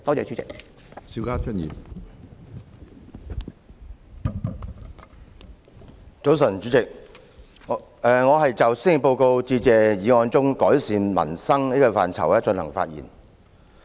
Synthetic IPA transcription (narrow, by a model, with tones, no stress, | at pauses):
t̪ɔː˥t͡sɛː˧t͡ʃy˨˥t͡sɪ̰˨k̚ | siː˧˥wkaː˥t͡ʃʰə˥njḭː˨˩p | t͡so˨˧˥ws̬ɐ˨˩nt͡ʃy˨˧˥t͡sɪ˨k̚ | ɛː˨ŋɔː˨˧ɦɐ˨jt͡sɐ˨wsi˥ŋɪ˨˩po˧wko˧wt͡siː˧t͡sɛː˨jiː˨˧ŋɔː˧nt͡sʊ˥ŋkɔː˨˥jsiː˨nmɐ̰˨˩nsɐ˥ŋniː˥kɔ˧fa̰ː˨nt͡sʰɐ̰˨˩wɛː˥t͡ʃɵ˧nhɐ̰˨˩ŋfa̰ː˧t̚jḭː˨˩n